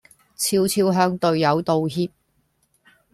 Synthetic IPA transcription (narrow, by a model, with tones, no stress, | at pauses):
t͡sʰiː˧wt͡sʰiː˧wɦœː˧ŋt̪ɵ˨ɥjɐ˨˧wt̪o˨˧wɦiː˧˥p̚